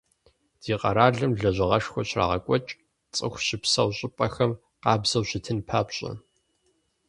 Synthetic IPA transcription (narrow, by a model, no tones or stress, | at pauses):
d̥iːqʼɐ̰ɾaːɮɨmɮɐʑʷɐʁɐʂxʷɔɕra̰ːʁɐkʷʼɔt͡ʃʼ | t͡sʼɨ̰xʷɕɪpsɐwɕʼɪpʼɐxɐm | qɑːbz̥ɐwɕɪtʰɨnpʰaːpɕʼɐ̰